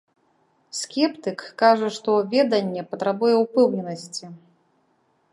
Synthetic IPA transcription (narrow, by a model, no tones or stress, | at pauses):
skʲɛpt̪ɨkːaʐɐʂt̪ɔvʲɛd̪ɐnʲːɛpɐt̪ɾabujɛwpɛwnʲɛnɐsʲt͡sʲi